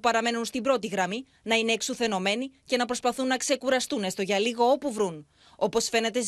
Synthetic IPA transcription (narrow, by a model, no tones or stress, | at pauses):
pɐɾɐme̞nunst̪ibɾo̞t̪iɣɾɐmi | nɐineːksuθe̞no̞me̞nice̞nɐpɾo̞spɐθunːɐkse̞kuɾɐst̪une̞st̪o̞ʝɐliɣo̞opuvɾun | o̞po̞sfe̞ne̞t̪e̞z